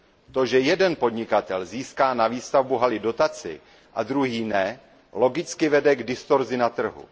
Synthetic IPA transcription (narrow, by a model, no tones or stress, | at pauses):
t̪o̞ʒɛjɛdɛnpo̞dɲɪkat̪ɛlziːskaːnaviːst̪avbuɦalɪdo̞t̪at͡sɪ̰ | ʔad̪ɾuɦiːnɛ | lo̞ɡɪt͡skɪvɛdɛɡdɪst̪oɾzɪnat̪r̩ɦṵ